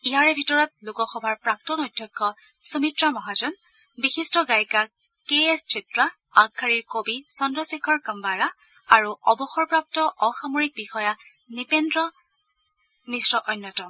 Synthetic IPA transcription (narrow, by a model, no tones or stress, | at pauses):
iaɹɛbʱitɔɹɔt̚lukɔxɔbʱaɹpɹak̚tɔnɔjdʱjɔkʰːɔ | sumitɹamɔɦad͡ʒɔn | bixistɔɡajka | keest͡ʃitɹa | akʰːaɹiɹkobisɔndɹɔsekʰɔɹkəmbaɹa | aɹuɔbɔxɔɹpɹap̚tɔʔɔxamoɹik̚bixɔja | nipendɹɔ | misɹɔʔɔjnːɔtɔ